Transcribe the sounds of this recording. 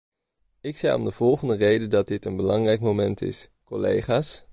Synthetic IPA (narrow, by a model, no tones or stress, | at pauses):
ɪksɛjɔ̰mdəv̥ɔlˠχəndərejdədɑt̚dɪtənbəlɑŋrɛjkmowmɛntɪ̰skɔlḛjχaːs